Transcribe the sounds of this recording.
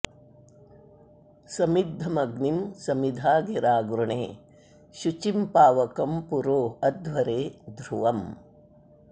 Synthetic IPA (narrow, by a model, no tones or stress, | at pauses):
sɐmid̪ʱːɐmɐɡnimsɐmid̪ʱaːɡiɾaːɡɾuɳeː | ʃut͡ʃimpaːʋɐkɐmpuɾoːɐd̪ʱʋɐɾeːd̪ʱɾuʋɐm